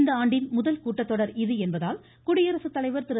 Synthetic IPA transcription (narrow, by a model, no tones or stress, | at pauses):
nd̪ɐaːɳɖɪnmʊðɐlkuːʈːɐt̪ːɔɽɐɾɪðɯɛnbɐðaːl | kʊɽɪjɐɾɐsɯt̪ːɐlɐɪʋɐɾt̪ɪɾ